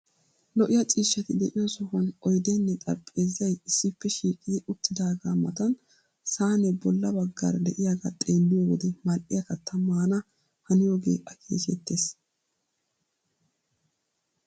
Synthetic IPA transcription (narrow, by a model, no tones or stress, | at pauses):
lɔʔɪjɐt͡ʃʼiːʃːɐt̪ɪd̪ɛʔɪjɐsɔhɐnɔjd̪ɛnːɛt̪ʼɐɾpʼːe̞ːzɪjɐjɪsːɪpːɛʃiːkʼɪd̪ɪʔʊt̪ːɪd̪aːɡaːmɐt̪ɐn | saːnɛbɔlːɐbɐɡːa̰ɾd̪ɛʔɪjaɡɐ̰t̪ʼeːlːɪjowɔd̪ɛmɐlʔɪjɐkɐt̪ʰːɐmaːnɐ | hɐnɪjoːɡe̞̰ːʔɐkʰḛːʃɛt̪ːe̞ːs